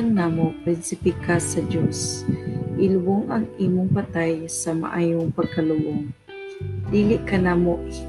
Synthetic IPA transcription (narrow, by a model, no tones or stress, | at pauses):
ŋnaːmopɾɛnsɪpikasɐdjos | ʔɪlʊboŋʔɐŋʔiːmʊŋpat̪ajsama̰ʔaːjʊŋpɐɡ̚kalʊboŋ | d̪iːlɪʔkanaːmoʔ